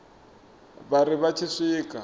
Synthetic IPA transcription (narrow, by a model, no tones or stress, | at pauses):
barɪβat͡ʃʰɪʂɪːkʼa